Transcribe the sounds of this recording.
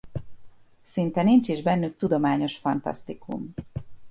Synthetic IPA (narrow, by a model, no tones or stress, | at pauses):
sint̪ɛnint͡ʃiʒbɛnːyk̚t̪ud̪o̞maːɲo̞ʃfɒnt̪ɒ̰st̪ikṵm